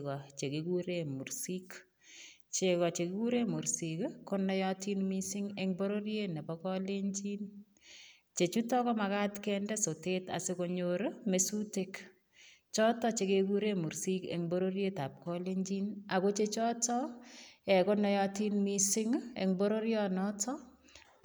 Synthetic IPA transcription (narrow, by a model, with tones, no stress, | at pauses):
kɔ˨t͡ʃe˨ke˨ku˦ɾe˦mu˨ɾsi˦k | t͡ʃe˨kɔ˨t͡ʃe˨ki˦ku˦ɾe˦mu˨ɾsi˨kkɔ˦nɔ˨˦jɔ˦ti˦nmi˦sɪ˦ŋeŋbo˦ɾo˦ɾje˦ne˨bɔkɔ˦le˦ɲd͡ʒi˦n | t͡ʃe˨t͡ʃu˦tɔ˦kɔ˦ma˨ka˦tkɛndɛ˦so˨te˦ta̰˨sɪ˦ko˨ɲoɾme˨su˦te˦k | t͡ʃɔ˦tɔ˦t͡ʃe˨keku˦ɾe˦mu˨ɾsi˦kḛŋbo˦ɾo˦ɾje˦ta˨p̚kɔ˦le˦ɲd͡ʒi˦na˨ko˦t͡ʃe˦t͡ʃɔ˦tɔ˦ɛ˨kɔ˦nɔ˦jɔti˦nmi˦sɪ˦ŋḛ˨ŋbo˦ɾo˦ɾjɔ˦nɔ˦tʰɔ˦